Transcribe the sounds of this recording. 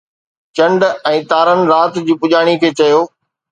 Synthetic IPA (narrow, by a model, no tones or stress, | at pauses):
t͡ɕɐ̃ɳɖɛ̃ːt̪aːɾənɪ̆ɾaːt̪d͡ʑiːpʊʄaːɽ̃ikʰeːt͡ɕɐjoː